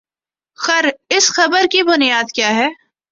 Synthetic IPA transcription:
xɐɾɪsxɐbəɾkibʊnijaːd̪kjaːɦɛː

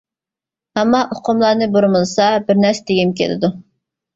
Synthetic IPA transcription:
hɛmːɑʔoqʰʊmlˠɑɾnɨboɾmɨlˠɨsɑbɪɾnɛɾsɛd̪eɡʲimkʲʰḛlɪ̰d̪u

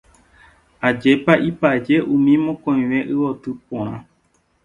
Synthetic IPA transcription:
ad͡ʒe̞paʔipad͡ʒe̞ʔũmĩmõkõj̃ʋe̞ʔɨwo̞t̪ɨpõɾ̃ã̰

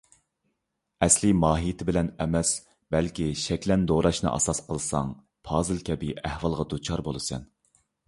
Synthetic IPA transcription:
ɛslimɑːɦijɪt̪ʰɪbɪlɛnɛmɛs | bɛlkʲiʃɛkʲlɛnd̪oɾɑʃnɨ̰ʔɑ̰sɑsqʰəlˠɨsɑ̰ŋ | pʰɑːzɨlˠkʲɛbɪæhwɑlˠʁɑd̪ut͡ʃʰɑɾbolˠɨsɛ̰n

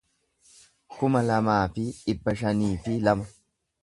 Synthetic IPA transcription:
kʊmɐlɐmaːfɪᶑɪbːɐʃɐniːfɪlɐmɐ

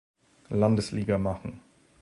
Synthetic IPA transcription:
landəsliːɡɐmaχn̩

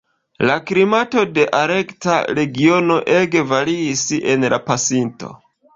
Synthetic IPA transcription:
lakɾimato̞de̞ʔaɾe̞kta̰ɾe̞ɡio̞no̞ʔe̞ɡe̞vaɾiːse̞nlapasinto̞̰

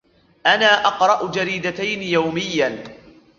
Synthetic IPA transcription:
ʔanaːʔɑqɾˤɑʔd͡ʒaɾiːd̪at̪ajnɪjawmɪjːa

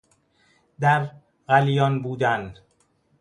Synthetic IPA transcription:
d̪æɾ | ɣælijɒːnbuːd̪æn

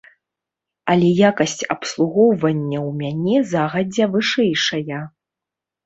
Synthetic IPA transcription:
ɐlʲɛjakɐsʲt͡sʲɐpslˠuɣɔwvɐnʲːɐwmʲanʲɛzaɣɐd͡zʲɛvɨʂɛjʂɐjɐ

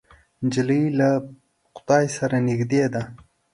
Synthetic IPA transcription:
nd͡ʒɪləla | qʊ̥t̪ɑjsaɾanɪxd̪ed̪a

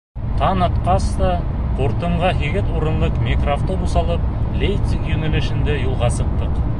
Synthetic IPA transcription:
t̪ʰɑnət̪qɑst̪ɑ | qʰoɾt̪əɴʁɑɦiɡʲet̪woɾəɴd̪əqmʲekraft̪əbusɑlˠəp̚lejt̪sikjɵneleʃɪnd̪ejulˠʁɑsəq̚t̪əq

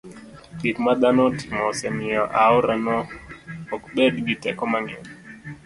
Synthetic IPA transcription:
ikmad̪anɔti̥mɔsɛmɪɔʔaɔɾanɔː | kbɛdɡitɛ̰kɔmaŋɛ̰n

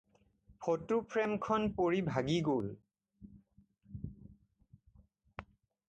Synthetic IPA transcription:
pʰotupʰɹɛmkʰɔnpoɹibʱaɡiɡol

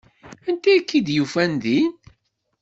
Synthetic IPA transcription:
ænt̪æækːid̪jufænðin

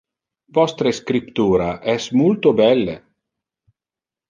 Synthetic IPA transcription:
vɔst̪ɾeskɾipt̪uːɾaʔɛsmult̪obɛlːḛ

